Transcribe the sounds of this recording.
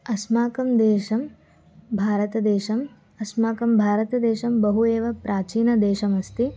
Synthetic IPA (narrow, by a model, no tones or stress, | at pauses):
ɐsmaːkɐmd̪eːʃɐm | bʱaːɾɐt̪ɐd̪eːʃɐm | ɐsmaːkɐmbʱaːɾɐt̪ɐd̪eːʃɐmbɐɦueːʋɐpɾʔaːt͡ʃiːnɐd̪eːʃɐmɐst̪i